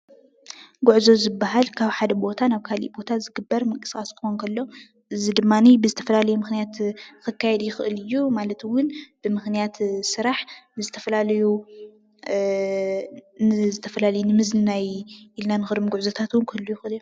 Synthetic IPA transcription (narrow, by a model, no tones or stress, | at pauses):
ɡuʕzo̞zɨbːaɦalkʰaβħad̪ɐbo̞t̪ʰanaβkʰalḭʔbo̞t̪ʰazɨɡɨbːɐɾmɐkʼɨ̥sxʼaskʰɨxonkʰɐlːo̞ | ʔɨzid̪ɨmːanibɨzɨt̪ʰɐfɐlalɐjumɨxnijat̪kɨkʰːajɛd̪jɪxɨʔɨlɨjːumalɐt̪ɨwʊnb̥ɨmɨxnijat̪sɨɾaħnɨzɨt̪ʰɐfɐlalɐju | nɨzɨt̪ʰɐfɐlalɐjunɨmɨzlɨnajʔilnanɨxɨɾmɡuʕzot̪ʰat̪wʊnkʰɨlːujɪxʔɨlijːu